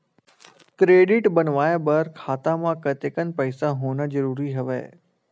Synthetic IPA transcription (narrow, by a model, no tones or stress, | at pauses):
kɾeːɖɪʈbɐnʋaːebɐɾkʰaːt̪ãmãkɐt̪ekən̆pəɪsaɦoːnəzəɾuːɾiɦɐʋḛː